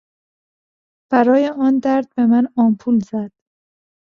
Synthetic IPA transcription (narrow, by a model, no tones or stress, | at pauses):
b̥æɾɒːjeɒːnd̪æɾd̪̚be̞mænɒːmpʰuːlzæd̪̥